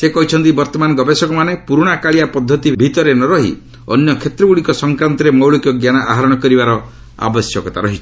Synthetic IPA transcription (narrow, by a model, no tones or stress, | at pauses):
sekɔɦit͡ʃʰɔnt̪ibɔɾt̪ɔmanɔɡɔbesɔkɔmanepuɾuɽ̃akaɭijapɔd̪ʱːɔt̪ibʱit̪ɔɾenɔɾɔɦḭ | ɔ̰njɔkʰet̪ɾɔɡuɽikɔsɔŋkɾant̪ɔɾemɔwɭɔkjɔɡjanaʔaɦaɾɔɽ̃ɔkɔɾibaɾɔ | a̰bɔsjɔkɔt̪aɾɔɦit͡ʃʰɔ̥